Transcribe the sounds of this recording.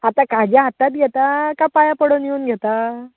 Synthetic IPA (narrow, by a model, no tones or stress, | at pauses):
at̪akad͡ʑjaɦat̪at̪̚ɡʱɛt̪akapajapəɽənjeuːnɡʱɛt̪a